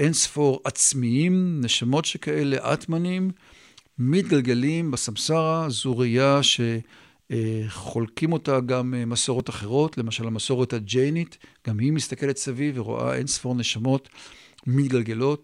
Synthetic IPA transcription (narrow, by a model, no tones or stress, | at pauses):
ʔensfo̞ʁat͡smiimneʃamo̞tʃe̞kae̞le̞ʔa̰tmanimː | it̚ɡalɡe̞limbasamsaʁazuʁijaʃe̞ | χo̞lkimo̞taɡammasoʁo̞taχe̞ʁo̞tle̞maʃalamaso̞ʁetad͡ʒejnitɡ̥amhimistake̞le̞t̪saviveʁo̰ʔa̰ʔḛnsfo̞ʁneʃamo̞tmit̪ɡalɡe̞lo̞t